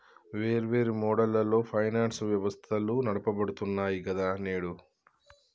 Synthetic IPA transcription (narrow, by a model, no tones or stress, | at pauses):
ʋe̞ːɾʋe̞ːɾimɔːɽɐlːɐlːo̞ːpʰɐjnaːnsʋjɐʋɐst̪ʰɐlunɐɽɐpɐbɐɽut̪unːaːjikɐd̪aːneːɽu